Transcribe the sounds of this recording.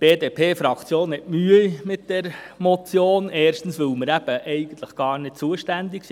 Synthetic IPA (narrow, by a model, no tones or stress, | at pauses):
b̥eːdeːpʰeːfɾɑkt͡sjoːnhɛtmyəimɪtd̥ɛɾmɔt͡sjoːnɛːɾʃtn̩sʋɵlməɾæb̥əʔɛɪɡən̩t̪ləχɡ̥ɑːɾnɪt̚t͡suəʃtænd̪ɪksi